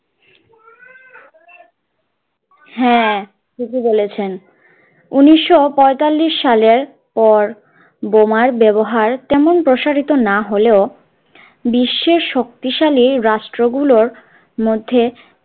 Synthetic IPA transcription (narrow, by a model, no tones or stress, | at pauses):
ɦɛ̃ | kikʰibolet͡ɕʰen | uniʃːopɔet̪alːiʃːaleɾ | pɔɾ | bomaɾbɛboɦaɾt̪ɛmonpɾoʃaɾit̪onaɦoleo | biʃːeɾʃok̚t̪iʃaliɾaʃʈɾoɡuloɾ | mod̪ʱːe